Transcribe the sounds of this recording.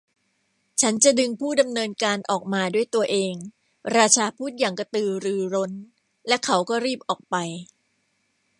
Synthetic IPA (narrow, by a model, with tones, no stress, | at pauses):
t͡ɕʰa˦˥nt͡ɕa˨˩dɯ˧ŋpʰuː˥˩da˧mnɤː˧nkaː˧nʔɔː˨˩k̚maː˧du˥˩jt̪u˧ɐʔeː˧ŋ | ɾaː˧t͡ɕʰaː˧pʰuː˥˩t̪̚jaː˨˩ŋka˧t̪ɯː˧ɾɯː˧ɾo˦˥n | lɛ˦˥kʰa˦˥wkɔː˥˩ɾiː˥˩p̚ʔɔː˨˩k̚pa˧j